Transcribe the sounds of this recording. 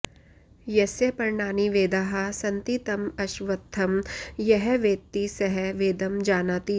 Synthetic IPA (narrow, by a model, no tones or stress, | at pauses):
jɛsepɐɾɳaːniʋeːd̪aɦasɐ̃nt̪it̪ɐmɐʃʋɐt̪ʰːɐmjɛɦɛʋeːt̪ːisɐɦɛʋeːd̪ɐmd͡ʒaːnaːt̪i